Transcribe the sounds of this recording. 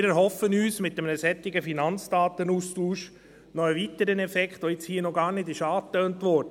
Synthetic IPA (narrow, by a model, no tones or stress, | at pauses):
ɪɾɛɾɦɔfənyːsmɪtːəmənəsɛt̪ɪɡəfinɑnt͡sd̥ɑːt̪ənustuːʃ | nɔəʋit̪əɾənɛfɛkχtʋoɪt͡shiːnɔɡɑːɾnɪdɪʃɑːtøːntʋɔɾd̥ə